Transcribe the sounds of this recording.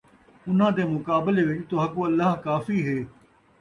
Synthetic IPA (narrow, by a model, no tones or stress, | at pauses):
ʊn̤ãːd̪eːmʊkaːbɪleʋɪt͡ʃt̪oːɦɐkoɐlːaɦkaːfiɦeː